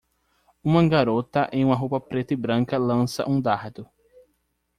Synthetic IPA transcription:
ũmɐɡaɾot̪ɐʔẽj̃ũmɐɦopɐpɾet̪ɪbɾɐ̃ŋkɐlɐ̃sɐ̰ʔũd̪aɾd̪ʊ

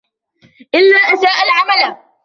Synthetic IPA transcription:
ʔɪlːaːʔasaːʔalʕamala

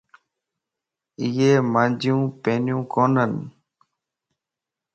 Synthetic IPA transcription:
ɪjeːmãːnd͡ʒjũːpẽːnjũːkoːnən

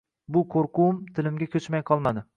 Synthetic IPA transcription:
bʊkʰoɾqʰʊmt̪ʰɪlɪmɡʲakʲʰɵt͡ʃmajqʰɒlˠmad̪ɪ

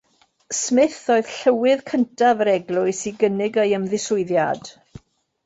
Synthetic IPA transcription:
smɪθoɨð̥ɬəwɪðkʰəntʰavəɾɛɡlˠʊɨsiɡənɪɡəɨəmðɪsʊɨðjad̥

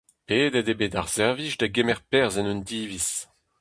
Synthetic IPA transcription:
peːdedebeːdaʁz̥ɛʁviʃdaɡemɛʁpɛʁzɛnyndiːvis

